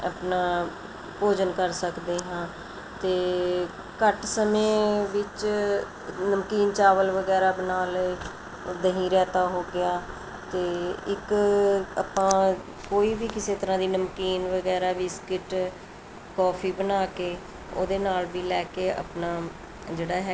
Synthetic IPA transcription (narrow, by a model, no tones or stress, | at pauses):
əpnãː | poːd͡ʒənkəɾsəkd̪eːɦãː | t̪eː | kəʈsəmẽːʋɪt͡ʃ | nəmkiːnt͡ʃaːʋəlʋəɡɛːɾaːbənaːl | d̪əɦĩːɾɛːt̪aːɦoːɡɪjaː | t̪eːɪk | a̰pãː | koːiːʋiːkɪseːt̪əɾãːd̪iːnəmkiːnʋəɡɛːɾaːʋiːskɪʈ | kɔːpʰiːbənaːkeː | o̰ːd̪eːnaːlʋiːlɛːkeːə̰pnaː | d͡ʒeːɽaːɦɛ